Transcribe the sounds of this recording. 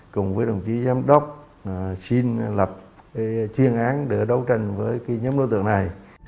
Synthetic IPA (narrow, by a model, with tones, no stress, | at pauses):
kʊ˨˩ŋ͡mvəː˨˦jɗə˨˩wŋ͡mt͡ɕi˨˦zaː˨˧˦mɗə˦˥wk͡p̚ | si˧nlə˨˩p̚t͡ɕwi˧˩ənʔaː˨˦nɗe˧˩ɗə˨˦wt͡ɕa˧˩jŋ̟vəː˨˦jki˨˦ɲə˨˦mɗo˧˦t̪ɨ̰˧˨əŋna˨˩j